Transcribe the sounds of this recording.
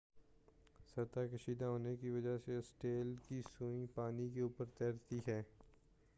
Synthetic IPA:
sɐɾt̪akəʃiːd̪aɦoːnekiʋɐd͡ʒasesʈeːlkisuːĩpaːnikeuːpəɾt̪ɛːɾt̪iɦɛː

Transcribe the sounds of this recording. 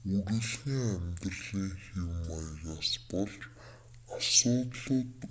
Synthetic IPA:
uɾɘ̆ɮxiːŋæmʲt̪rɮiːŋxiwmajɣaːspɔɮt͡ɕ | asʊːt̪ɮət̪

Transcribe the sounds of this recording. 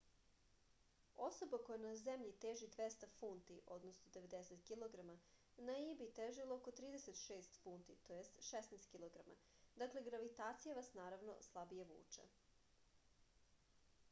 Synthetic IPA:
o̞so̞bako̞janazemʎit̪eːʒid̪ʋest̪afunt̪iʔo̞d̪nosnod̪e̞ʋe̞d̪eset̪kiloɡɾama | naibit̪eːʒilooko̞t̪ɾiːd̪eset̪ʃeːst̪funt̪it̪ojest̪ʃesnest̪kiloɡɾama̰ | d̪akle̞ɡɾaʋit̪aːt̪sijaʋasnaːɾaʋno̰slˠabijaʋṵːt͡ʃa̰

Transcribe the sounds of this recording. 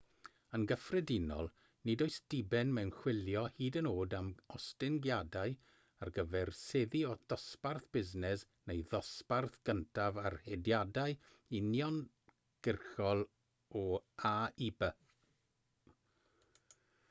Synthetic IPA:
ənɡəfrɛdɪnɔ̰lˠ | nɪdoɨsd̥ɪbɛnmɛwnχw̥ɪljɔhiːdənoːdamɔstɪnɡjadaɨ | arɡəvɛrseðiɔd̥ɔsparθb̥ɪznɛs | nejðɔsparθɡ̥əntʰavarhɛdjadaɨ | injɔn | ɡ̥ɪrxɔlˠ | ɔaːibə

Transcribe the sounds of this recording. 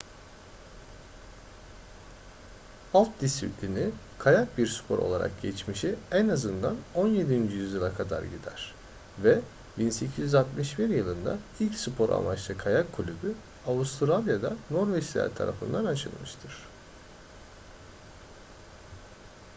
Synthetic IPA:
alˠt̪̚d̪isiplʲini | kʰajak̚biɾspʰo̞ɾʔo̞̰lˠa̰ɾa̰k̚ɟɛt͡ʃmiʃiɛnazɯnd̪ano̞nje̞d̪ind͡ʒyjyzjɯlˠakʰad̪a̰ɾɟid̪æ̰ɾ̥ | vɛ | binse̞cʰizjyzat̪mɯʃbiɾjɯlˠɯnd̪a̰ilʲcsupʰo̞ɾʔa̰mat͡ʃlˠɯkʰajakʰːulʲyby | aust̪ʰɾalʲˠjad̪ano̞ɾvɛslʲæ̰ɾt̪ʰa̰ɾa̰fɯ̰nd̪anat͡ʃʰɯ̰lˠmɯʃt̪ʰɯɾ̥

